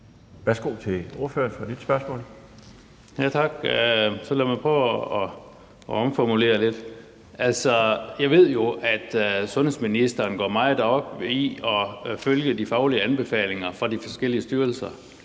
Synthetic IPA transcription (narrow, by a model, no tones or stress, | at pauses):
ʋæɐsɡ̥o̝̰ːt͡sʰe̝o̝ɐføɐnfʁɑ̈d̥id̥sb̥ɶɐsmɔ̰̽ːl | jæt͡sʰɑ̈ɡ̥øsɒ̽lemɑɪpʰʁɔː | ɒ̽mfɒmule̝̰ːɐle̝d̥ | ʔælsɒjɑ̈ɪʋe̝ð̞̰ˠjo̝ʔæd̥sɔ̽nhḛsminisd̥ɐnɡ̥ɒ̰ːmɑ̈ɪð̩ˠd̥ɑɡ̥iɒføljəd̥ifɑ̈ʊliəænb̥e̝fɛ̰ːle̝ŋɐfʁɑ̈d̥ifɒ̽sɡ̥el̰iəsd̥yːɐl̩sɐ